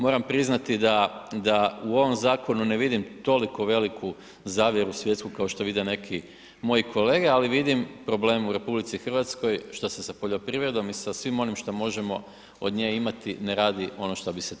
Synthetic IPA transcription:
mo̞ɾampɾiznat̪id̪ad̪auo̞ʋo̞mzaːko̞nuneʋid̪imt̪o̞likoʋe̞likʰu | zaːʋje̞ɾusʋjet̪skukao̞ʃt̪oʋid̪ene̞kʰi | mo̞jikʰo̞leːɡealiʋid̪impɾo̞ble̞ːmuɾe̞publit̪sixrʋat̪sko̞jʃt̪osesapoʎo̞pɾiːʋɾed̪o̞misasʋimo̞nimʃt̪omo̞ʒe̞mo̞ | od̪ɲeːimat̪ineɾaːd̪io̞noʃt̪obise

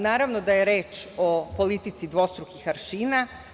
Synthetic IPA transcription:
naːɾaʋno̞d̪ajeɾeːt͡ʃopo̞lit̪it̪sid̪ʋo̞st̪ɾukixaɾʃiːna

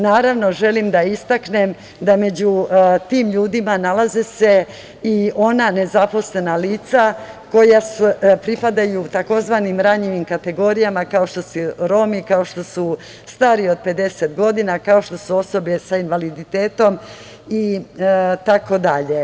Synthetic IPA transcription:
naːɾaʋno̞ʒe̞limd̪aist̪akne̞m | d̪ame̞d͡ʑut̪iːmʎuːd̪imanalazese̞ | io̞nane̞zapo̞sle̞naliːt̪sa | ko̞jasupɾipad̪ajut̪ako̞zʋanimɾaɲiʋimkat̪e̞ɡo̞ɾijamakao̞ʃt̪o̞suɾo̞mikao̞ʃt̪o̞su | st̪aːɾio̞d̪̚pe̞d̪e̞set̪ɡo̞d̪inakao̞ʃt̪o̞suo̞so̞besainʋalid̪it̪eːt̪o̞m | i | t̪ako̞d̪aʎe

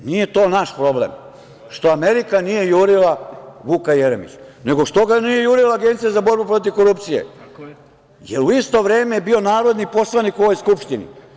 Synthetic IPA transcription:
nije̞t̪o̞ːnaʃpɾo̞blḛm | ʃt̪oameɾikanije̞juːɾilaʋuːkajeɾemḭt͡ɕne̞ɡo̞ʃt̪o̞ɡanije̞juːɾilˠaːɡent̪sijazabo̞ɾbupɾo̞t̪̬iʋko̞ɾupt̪sije̞̰ | jeɾuist̪o̞ʋɾeːmejebio̞naːɾo̞d̪nipo̞slˠaniko̞ʋo̞jskupʃt̪inḭ

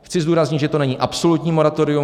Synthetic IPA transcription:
xt͡sɪzd̪uːɾazɲɪt̪ʒɛt̪o̞nɛɲiːʔapso̞lut̪ɲiːmo̞ɾat̪oɾɪu

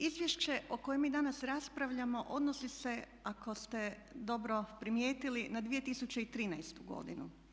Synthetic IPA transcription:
izʋʲjeʃt͡ɕe̞ʔo̞ko̞jemiːd̪anasɾaspɾaʋʎamo̞ʔo̞d̪nosise̞ | akʰo̞st̪e̞ | d̪o̞bɾo̞pɾimjeːt̪ilinad̪ʋije̞t̪isut͡ɕeit̪ɾiːnɛjst̪uɡo̞̰d̪inṵ

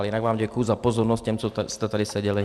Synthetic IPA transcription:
lɛinaɡʋaːmɟakʊjuzapɔzɔɾnɔsc̚cɛmt͡sɔst̪ɛt̪ɛdisɛɟɛli

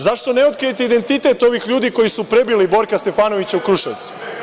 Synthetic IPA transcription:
zaʃt̪o̞neo̞t̪kɾijet̪eid̪e̞nt̪it̪e̞t̪o̞ʋixʎuːd̪iko̞jisupɾebilibo̞ɾkast̪e̞faːno̞ʋit͡ɕaukɾuʃaʋt̪su̥

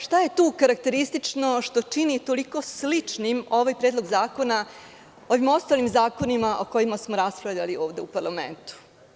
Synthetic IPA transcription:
ʃt̪aje̞t̪uːkaɾak̚t̪e̞ɾist̪it͡ʂno̞ʃt̪o̞t͡ʂinit̪o̞liko̞slit͡ʂnimo̞ʋaːjpɾed̪lˠoɡzaːko̞na | o̞ʋimo̞st̪aːlimzaːko̞nimaʔo̞ko̞imasmoɾaspɾavʎʲalio̞ːʋd̪e̞upaɾlamḛnt̪u̥

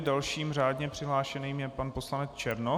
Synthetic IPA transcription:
dalʃiːmr̝aːdɲɛpr̥ɪɦlaːʃɛniːmjɛpanposlanɛt͡st͡ʃɛɾno

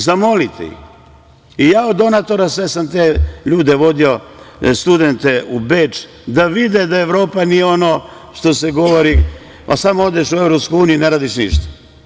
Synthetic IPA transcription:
zamo̞lit̪ʰḛjḭ | ijaːod̪ːo̞nat̪o̞ɾasʋe̞samt̪eʎuːd̪eʋo̞d̪io̞st̪ud̪e̞nt̪eubeːt͡ʃ | d̪aʋid̪ed̪aeʋɾo̞ːpanijeo̞no̞ | ʃt̪o̞seɡo̞ʋoɾi | pa̰samood̪eʃuevɾopskojuːnijineɾaːd̪iʃnḭʃt̪ḁ

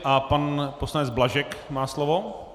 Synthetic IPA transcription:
ʔapanposlanɛd͡zblaʒɛkmaːslovo

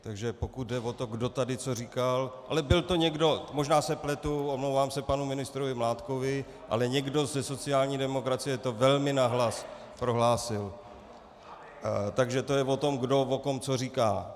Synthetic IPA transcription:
t̪aɡʒɛpo̞kut̪̚dɛvo̞t̪o̞ɡdo̞t̪adɪt͡so̞riːkalʔa̰lɛbɪlt̪o̞ɲɛɡdo̞mo̞ʒnaːsɛplɛt̪uʔomlowvaːmsɛpanumɪnɪst̪ɾovɪmlaːt̪ko̞vɪ | ʔa̰lɛɲɛɡdo̞zɛso̞t͡sɪjaːlɲiːdɛmo̞kɾat͡sɪjɛt̪o̞vɛlmɪnaɦlas | pɾo̞ɦlaːsɪl | t̪aɡʒɛt̪o̞jɛvo̞t̪o̞mɡdo̞vot̪o̞mt͡so̞riːka̰ː

